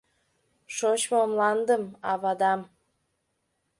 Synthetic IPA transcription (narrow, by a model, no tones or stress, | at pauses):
ʃot͡ɕmoomlɑnd̪əmɑβɑd̪ɑm